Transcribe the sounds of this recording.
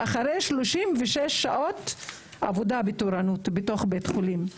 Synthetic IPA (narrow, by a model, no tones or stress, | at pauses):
ʔaχaɾejʃloʃimveʃeʃːaʔo̞t | a̰vodabetoɾanutbeto̞χbetχolim